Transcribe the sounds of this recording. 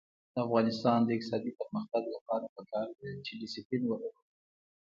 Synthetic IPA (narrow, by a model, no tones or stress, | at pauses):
d̪̥əafɣɑnɪst̪ɑnd̪əɪk̚t̪ɪsɑd̪ipəɾməxt̪aɡlapɑɾapəkɑɾd̪et͡ʃeɖɪsiplinwəɾaɾ